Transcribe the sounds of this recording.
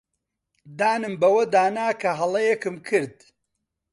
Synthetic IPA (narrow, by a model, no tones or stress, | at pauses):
d̪aːnɨmbɐwɐd̪aːnaːkʰɐɦɐlˠɐjɛkɨmkʰɨɾd̪